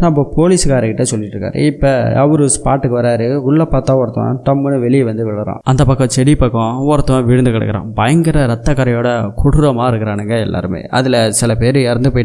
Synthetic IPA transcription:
nɐp̬ːopoːlɪsɯkaːɾɐkɪʈːesɔlːɪʈːɾɯkːa̰ːɾɯ̰ɪpːɐɐ̰ʋɐɾɯspaːʈːɯkːɯʋɐɾaːɾɯʊɭːɐpːaːt̪ːãːɔɾɐt̪ːɐ̰̃ʈɐmːɯnɯʋɛɭɪjʋɐnd̪ɯʋɪɭɐɾã̰ːʔɐnd̪ɐpɐkːɐ̃t͡ʃɛɽipɐkːõɔɾɐt̪ːɔ̃ʋɪɻɯnd̪ɯkɐɽɐ̰kːɪɾã̰ːbɐjɐŋɡɪɾɐɾɐt̪ːɐkːɐɾɐjoːɽɐkʰʊɽɯɾɐmaːɪɾɯkːɪɾaːnɛŋɡɐɛlːa̰ːɾɯmḛːʔɐ̰ðɪlɐsɪlɐpeːɾɯɛɾɐnd̪ɯpoːjʈː

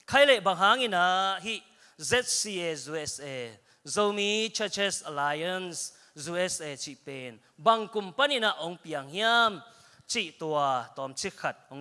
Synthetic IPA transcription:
kʰajlɛbaŋɦaːŋinaɦiʔ | zɛt̪̚siezuɛsɛ | zowmit͡ʃʰət͡ʃɛsalajɐns | zuɛset͡sipen | bɐŋkumpɐninaʔoŋpiɐŋɦiam | t͡siʔt̪uɐt̪ɔmt͡sʰixʰɐt̪̚oŋ

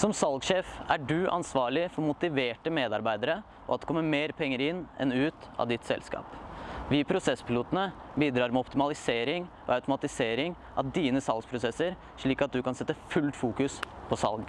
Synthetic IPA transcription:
sɔmsɑlɡʂeːfæɖʉʔɑ̰nsʋɑːɭɪfɔɾmʊt̪ɪʋeːʈəmeːd̪ɑɾbæɪd̪əɾə | ʔɔ̰ɑt̪d̪ɛkʰɔmːəmeːɾpʰɛŋːəɾɪnːɛ̰nʉːt̪ɑ̰ʋd̪ɪt̪sɛ̰lskɑ̰ːpʋɪːpʰɾʊsɛspʰɪluːt̪ənəbiːd̪ɾɑːɾmɛɔpt̪ɪmɑlɪseːɾɪŋ | ɔ̰ɑʉt̪ʊmɑt̪ɪseːɾɪŋ | ʔɑ̰ʋd̪iːnəsɑlɡspʰɾʊsɛsəɾ | ʂɭiːkɑt̪̚d̪ʉkɑnsɛt̪ːəfʉlt̪fuːkʉs | pʰɔsɑ̰lɡ

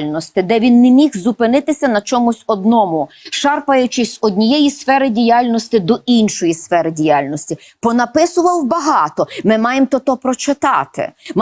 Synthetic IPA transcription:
lʲnɔsʲt̪ɪd̪ɛʋʲinːɛmʲixzʊpɪnɪt̪ɪsʲɐnɐt͡ʃɔmʊsʲɔd̪nɔmʊʃɑrpɐjʊt͡ʃɪsʲɔdʲnʲijɛjisfɛɾɪdʲijalʲnɔsʲt̪ɪd̪ɔʔinʃɔjisfɛɾɪdʲijɑlʲnɔsʲtʲi | pɔnɐpɪsʊʋɐwbɐɦɑt̪ɔmɪmɑjemt̪ɔt̪ɔpɾɔt͡ʃɪt̪ɑ̰t̪ɪ̰m

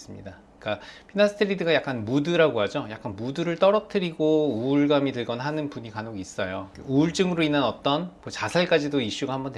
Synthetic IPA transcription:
s͈ɯmɲḭda | k͈apʰinasʰɯ̥tʰɯɾidɯɡajak͈anmudɯɾaɡoɦad͡ʑojak͈anmudɯɾɯɭt͈ʌɾʌk̚tʰɯɾiɡouɭɡamitɯɭɡʌnɦanɯnpuɲikanoɡiːs͈ʌjouːɭt͡ɕ͈ɯŋɯɾoinːanʌt͈ʌnmot͡ɕasʰaɭk͈ad͡ʑidoiɕ͈uɡahambʌnte

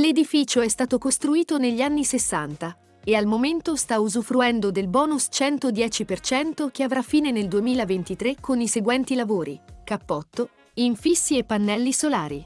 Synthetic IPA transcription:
led̪ifiːt͡ʃoɛst̪aːt̪okost̪ɾuiːt̪oneʎːianːisesːant̪a | ealmoment̪ost̪auzufɾuɛnd̪od̪elbɔːnust͡ʃɛnt̪od̪jɛːt͡ʃipert͡ʃɛnt̪ok̟eavɾafːiːneneld̪uemiːlavent̪it̪ɾekʰːoniseɡwɛnt̪ilavoːɾḭkapːɔt̪ːo | iɱfisːiepːanːɛlːisolaːɾi

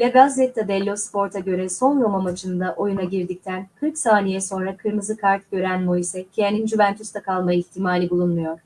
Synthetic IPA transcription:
lʲɛɡazɛt̪ːad̪ɛlʲːo̞spo̞ɾt̪ʰaɟø̞ɾɛso̞njomamad͡ʒɯnd̪aʔo̞junaɟiɾd̪ic̚t̪ʰænkʰɯɾksaːnijɛso̞nɾakʰɯɾmɯzɯkʰaɾt̪̚ɟ̥ø̞ɾænmo̞jisɛcʰijenind͡ʒyvænt̪ʰyst̪akʰalˠmajɯiçt̪ʰimaːlʲibulˠunmujo̞ɾ̥

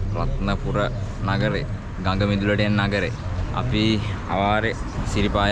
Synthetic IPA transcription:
rɐt̪nɐpurɐnɐɡɐɾe | ɡɐŋɡɐmid̪ulɐɽijɐnnɐɡɐɾeɐ̰pi | ɐ̰ʋaːɾesiɾipaːj

